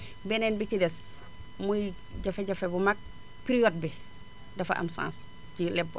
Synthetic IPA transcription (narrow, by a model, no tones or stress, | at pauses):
bɛnɛnbit͡ʃidɛs | muj | ɟafeɟafebumak̚ | piɾijod̚bi | dɐfaʔa̰msã̰ːns | cilɛbːo̰